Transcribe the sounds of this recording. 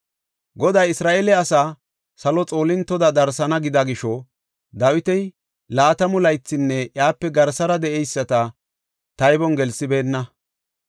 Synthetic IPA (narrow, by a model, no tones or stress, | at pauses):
ɡɔd̪ɐjɪsɾaːʔelɛɐsaː | sɐlɔt͡sʼo̞ːlɪnt̪ːɔd̪ɐd̪ɐɾsɐnɐɡɪd̪ɐɡɪʃɔ | d̪ɐwɪt̪ɛj | laːt̪ɐmʊlɐjt͡sːɪnːɛʔjaːpːɛɡɐɾsɐɾɐd̪ɛʔɛjsːɐt̪ɐ | t̪ɐjbɔnɡɛlsɪbe̞ːnːɐ